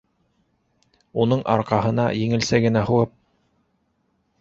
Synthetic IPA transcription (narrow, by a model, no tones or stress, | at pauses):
unɤɴʔɑ̰ɾqɑɦɤ̆nɑjɘ̆ŋɘ̆lsæɡɘ̆næhuwɤp̚